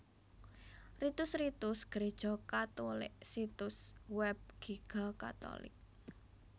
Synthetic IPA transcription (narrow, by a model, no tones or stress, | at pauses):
rit̪ʊsrit̪ʊsɡ̥əɾed̥ʒ̥ɔkat̪ulɪ̰ʔsit̪ʊswɛb̚ɡ̥iɡ̥ɔka̰t̪ɔ̰lɪ̰k̚